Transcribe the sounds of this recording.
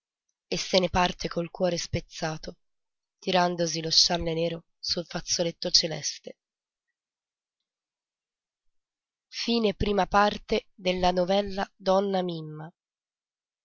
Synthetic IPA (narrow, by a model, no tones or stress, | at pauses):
esːenepart̪ʰekolkwɔːɾespet̪sːaːt̪o | t̪iɾand̪osiloʃt͡ʃːalːeneːɾo | sulfat̪sːolet̪ːot͡ʃelɛ̰st̪e | fiːnepɾiːmapart̪ed̪elːanovɛlːad̪ɔnːamimːa